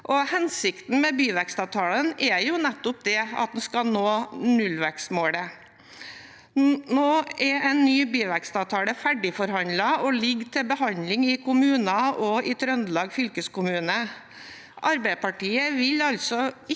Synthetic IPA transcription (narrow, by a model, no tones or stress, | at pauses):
ʔɔhɛnsɪkt̪n̩mɛbyːʋækst̪ɑʋt̪ʰɑːlənɛjʊnɛt̪ːʊp̚d̪ɛɑ̰t̪̚d̪n̩skɑnoːnʉlʋæksmoːɽə | noːɛɾɛɪnːyːbyːʋækst̪ɑːʋt̪ʰɑːləfæɖɪfɔɾhɑnd̪lɑɔlɪɡːt̪ʰɪlbəhɑnlɪŋɪkʊmʉːnɑʔɔɪt̪ʰɾœnd̪lɑːɡfʏlkəskʊmʉːnə | ʔɑɾbæɪpʰɑʈiːəʋɪlɑlsɔɪ